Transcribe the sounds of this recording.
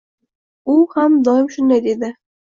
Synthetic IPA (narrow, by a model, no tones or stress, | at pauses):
ulˠhæmd̪ɒjɪmʃɵ̆nd̪æjd̪ed̪ɘ